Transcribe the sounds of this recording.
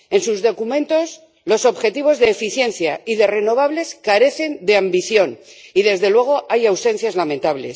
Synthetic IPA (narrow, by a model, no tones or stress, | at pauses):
e̞nsuzðo̞kumẽ̞nt̪o̞s | lo̞so̞βxe̞t̪iβ̞o̞zðe̞ːfiθje̞nθjaiðere̞no̞β̞aβle̞skaɾe̞θe̞nd̪e̞ambiθjo̞niðe̞zðe̞lwe̞ɣ̞o̞ʔajawse̞n̟θjazlamẽ̞nt̪aβle̞̰s